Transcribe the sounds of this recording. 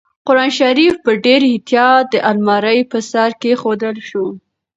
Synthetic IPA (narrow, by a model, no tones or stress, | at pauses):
qʊɾɑnʃaɾifpəɖeɾhɪt̪jɑd̪əʔalmɑɾəjpəsɑɾkexod̪əlʃu